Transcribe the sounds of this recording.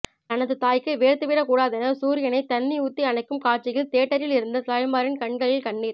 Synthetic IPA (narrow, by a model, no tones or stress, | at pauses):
t̪ɐnɐðɯt̪aːjkːɯʋeːɾt̪ɯʋɪɾɐkuːɽaːðɐnɐsuːɾɪjɐnɐɪt̪ɐnːiʊt̪ːiɐnɐɪkːɯmkaːʈ̚t͡ʃɪɣɐɭt̪eːʈːɐɾɪlɪɾɯnd̪ɐsaːjmaːɾɪnkɐɳɡɐɭɪlkɐɳːiːɾ